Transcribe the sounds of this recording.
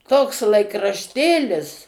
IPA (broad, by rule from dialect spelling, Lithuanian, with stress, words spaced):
toːks lˠɐɪkrɐʃʲˈtʲeːlʲɪs